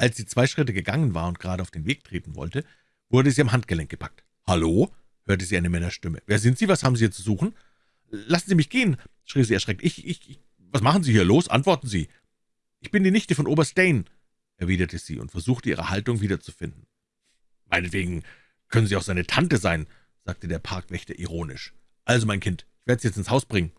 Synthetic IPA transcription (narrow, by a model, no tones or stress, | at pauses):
ʔalsz̥iːt͡sv̥aɪʃʁ̥ɪtəɡəɡaŋənvaːɐʊnt̚ɡ̥əʁaːdəaʊfd̥eːnveːk̚tʁ̥eːtn̩vɔ̰ltə | v̥ʊɐdəziːamɦantɡ̥əlɛŋk̚ɡ̥ə̥pʰak̚t | haloː | høːɐtəziːʔaɪnəmɛnɐʃtɪmə̰veːɐzɪntz̥iːvashaːbm̩zihiːɐt͡suzuːχn̩ | lasn̩ziːmɪçɡ̥eːən | ʃʁ̥iːziːɛɐʃʁɛk̚tɪçʔɪç | vasmaχn̩ziːhiːɐloːsʔa̰ntv̥ɔɐtn̩ziː | ʔɪçb̥ɪndiːnɪçtəfɔnʔoːbɐsd̥ɛɪn | ʔɛɐviːdɐtʰəz̥ḭːʊ̰ntfɛɐzuːxtəʔiːʁ̞ə̰haltʊŋviːdɐt͡su̥fɪndn̩ | maɪnətv̥eːɡŋ̩ | kʰœnənziːaʊxz̥aɪnətʰantəzaɪn | z̥aːk̚tədeːɐpʰaɐkv̥ɛçtɐʔiʁoːnɪ̰ʃ | ʔalzomaɪnkʰɪntʔɪçveːɐdəsjɛt͡stɪnshaʊsb̥ʁɪŋən